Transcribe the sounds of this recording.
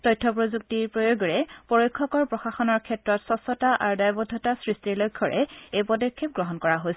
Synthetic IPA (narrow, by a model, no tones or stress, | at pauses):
tɔjtʰːɔpɹozuk̚tiɹpɹojoɡɔɹɛpɔɹojkʰːɔkɔɹpɹɔxaxɔnɔɹkʰɛtɹɔtsɔsɔtaʔa̰ɹdajbɔdʱːɔtasɹistiɹlojkʰːɔɹɛ̰ejpɔdɔɹkʰːip̚ɡɹɔɦɔnkɔɹaɦojsɛ